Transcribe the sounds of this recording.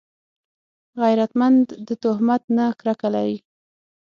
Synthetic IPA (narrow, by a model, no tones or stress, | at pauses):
ɣajɾat̪mand̪ːət̪ʊhmat̪nakɾakalawi